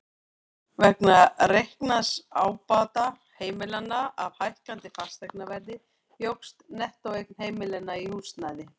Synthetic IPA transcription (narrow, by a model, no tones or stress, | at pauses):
vɛhknarejhknasaːwpaːt̪a | heːjmɪlanːaavhajhkant̪ɪfḁst̪ɛjknavɛɾðɪ | jowkst̪nɛht̪owejk̚n̥heːjmɪlɛnːaihust̪najðɪ